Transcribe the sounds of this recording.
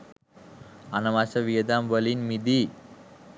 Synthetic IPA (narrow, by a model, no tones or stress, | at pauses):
anɐmasəʋiəd̪ambəlinmid̪i